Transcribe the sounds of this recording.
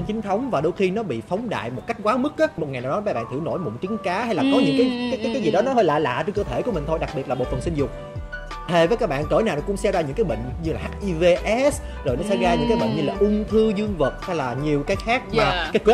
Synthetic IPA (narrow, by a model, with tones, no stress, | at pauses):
e˧nt͡ɕï˨˦ŋ̟t̪ʰə˨˦wŋ͡mvaː˨˩ɗo˧wjxi˧nɔ˨˦ɓḭ˧˨fa˨˦wŋ͡mɗa̰ː˧˨jmo˨˩t̚ka˦˥k̟̚kwaː˨˦mɨ˦˥k̚ʔaː˨˦mo˨˩t̚a˨˩na˨˩wɗɔ˨˦aː˨˦jɓa̰ː˧˨nt̪ʰwno̰˧˩jmo̰˨˧˩t͡ɕi˨˦ŋkaː˨˦ha˧jlaː˨˩kɔ˨˦ɲɨ̰˧˥ŋkaː˨˦jkaː˨˦jkaː˦kaː˦jzi˨˩ɗɔ˨˦nɔ˨˦ɦəː˧jla̰ː˨˩la̰ː˧˨t͡ɕe˧nkəː˧t̪ʰe˧˩ku˧˩əmï̟˨˩t̪ʰo˧jɗa˨˩k̚ɓi˨˩ət̚lːɓo̰˨˩tfə˨˩nsï˧ŋ̟zʊ˨˩k͡p̚ | t̪ʰe˨˩vəː˨˦jkaː˦˥k̚ɓa̰ː˧˨nkəː˧˩jnaː˨˩nɔ˨˩kʊ̰˧˥ŋ͡msɛ˧zaː˧ɲɨ̰˧˥ŋkaː˨˦jɓə̰˧˨ŋ̟ɲɨ˧laː˨˩ɦaː˦˥k̚ʔi˧ve˧ʔɛ˦˥s | zo˨˩jnɔ˨˦sɛ̰˧˥ɣaː˧ɲɨ̰˧˥ŋkaː˨˦jɓə̰˧˨ŋ̟ɲɨ˧laː˨˩ʔʊ˧ŋ͡mt̪ʰɨ˧zɨ˧əŋvə˨˩t̚ha˧jlaː˨˩ɲi˨˩əwkaː˨˦jxaː˦˥k̚maː˨˩kaː˨˦jk